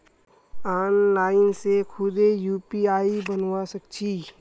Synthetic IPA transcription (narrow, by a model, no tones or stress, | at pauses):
aːnlaːɪnsekʰʊd̪ejuːpiaːibənwasək̚t͡ʃʰiː